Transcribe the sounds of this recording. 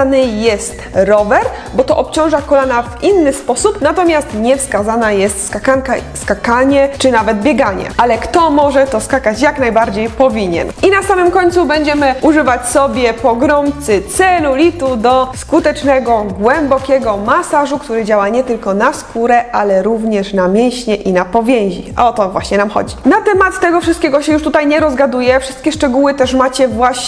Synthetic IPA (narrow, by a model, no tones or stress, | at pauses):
nɘjɛst̪ɾɔvɛɾ | bɔt̪ɔʔɔpt͡ɕɔ̃w̃ʐakɔlanavinːɘspɔsupnat̪ɔmʲjast̪ɲɛfskazanajɛst̪skakankaskakaɲɛt͡ʂɘnavɛd̪̚bʲjɛɡaɲɛ̰ʔalɛkt̪ɔmɔʐɛt̪ɔskakat͡ɕjaknajbaɾd͡ʑejpɔvʲiɲɛ̰nʔinasamɘmkɔɲt̪subɛɲd͡ʑɛmɘʔuʐɘvat͡ɕsɔbʲjɛpɔɡɾɔmt̪sɘt̪sɛlulʲit̪ud̪ɔskut̪ɛt͡ʂnɛɡɔɡwɛmbɔkʲɛɡɔmasaʐukt̪uɾɘd͡ʑawaɲɛt̪ɘlkɔnaskuɾɛalɛɾuvɲɛʂnamʲjɛw̃ɕɲɛʔinapɔvʲjɛ̃w̃ʑḭʔa̰ɔt̪ɔvwa̰ɕɲɛnamxɔ̰d͡ʑinat̪ɛmat̪ːɛɡɔfʂɨst̪kʲɛɡɔɕɛjuʂt̪ut̪ajɲɛɾɔzɡad̪ujɛfʂɘst̪kʲɛʂt͡ʂɛɡuwɘt̪ɛʂmat͡ɕɛvwaɕ